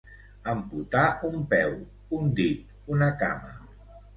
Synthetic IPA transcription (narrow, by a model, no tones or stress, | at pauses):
əmput̪aumpɛw | und̪it̪̚ | unəka̰mə̰